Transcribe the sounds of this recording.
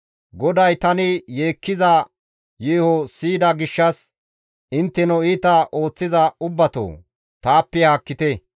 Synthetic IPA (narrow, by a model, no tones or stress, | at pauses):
ɡɔd̪ɐjt̪ɐnɪje̞ːkːɪzɐ | jiːhɔsiːd̪ɐɡɪʃːɐs | ɪnt̪ːɛnɔiːt̪ɐʔo̞ːt͡sːɪzɐʊbːɐt̪o̰ː | t̪aːpːɛhaːkːɪt̪ɛ